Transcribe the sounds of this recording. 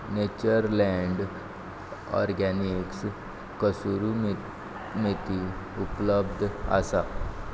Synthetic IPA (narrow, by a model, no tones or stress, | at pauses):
net͡ɕəɾlɛɳɖ | ɔ̰ɾɡɛniks | kəsuɾum | met̪iupləbd̪ʱa̰sa